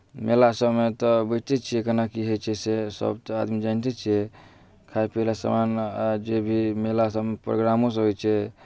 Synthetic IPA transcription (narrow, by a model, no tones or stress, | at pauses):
melasəbmet̪ɔbət͡ʃt̪ɛt͡ʃʰiɛkənakiɦojt͡ʃʰɛsesə̰bt̪ɔad̪mid͡ʒant̪ɛt͡ʃʰiɛ | kʰaepelasə̰manad͡ʒebʱimelasəbmepɾo̰ɡɾamõs̬ə̃ɦojt͡ʃʰɛ